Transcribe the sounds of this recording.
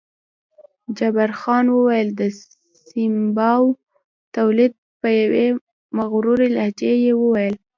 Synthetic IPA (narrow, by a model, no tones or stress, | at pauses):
d͡ʒabaɾxɑnwəwajəld̪ə | simbɑw | t̪awlid̪̚pəjawe | maɣɾuɾelahd͡ʒejewəwajəl